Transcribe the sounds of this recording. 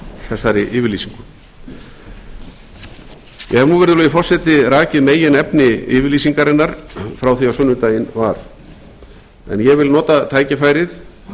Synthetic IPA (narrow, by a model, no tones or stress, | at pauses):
θɛsːaɾɪʔɪːvɪɾliːsiŋkʏ | jɛhɛvnuvɛɾðʏlʏðɪfɔr̥sɛt̪ɪɾaːcɪðmeːjɪnɛpnɪɪ̰ːvɪɾliːsiŋkaɾɪnːaɾ̥fɾawθiawsʏnːʏt̪aːjɪnvaɾ̥ | ɛ̰njɛɣvɪlnɔːt̪at̪ʰaːjcɪfaːjɾɪθ